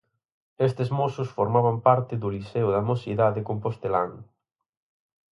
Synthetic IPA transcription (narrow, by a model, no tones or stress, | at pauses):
est̪ezmosʊsfoɾmaβampaɾt̪ɪðʊliseʊðɐmosiðaðɪkompost̪elaŋ